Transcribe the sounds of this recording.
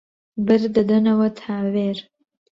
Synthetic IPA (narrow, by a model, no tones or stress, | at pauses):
bɨɾd̪ɐd̪ɐnɐwɐt̪ʰaːweːɾ